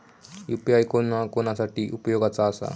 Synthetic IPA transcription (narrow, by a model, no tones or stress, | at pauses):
jupiajkonakonasaʈiːʔupjoɡat͡saːsa̰